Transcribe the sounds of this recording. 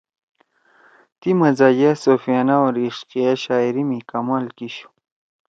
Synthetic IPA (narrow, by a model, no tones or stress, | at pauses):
t̪imɐzad͡ʑasofijaːnaoɾiʂqijaɕaːiɾimikamaːlkiɕu̥